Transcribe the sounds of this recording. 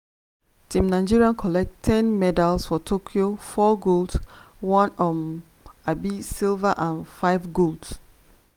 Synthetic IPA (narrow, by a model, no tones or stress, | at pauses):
tʰĩmnaɪd͡ʒiɹiãnkʰɔlɛk̚ttʰɛ̃nmɛdalˠsfɔtʰokʰiofɔɡolˠd | wɔ̃nɔm | abisilvaʔãnfaɪvɡolds